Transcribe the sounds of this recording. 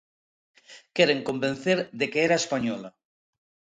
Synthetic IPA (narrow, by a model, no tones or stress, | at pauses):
keɾeŋkomben̟θeɾðekeeɾaespaɲɔla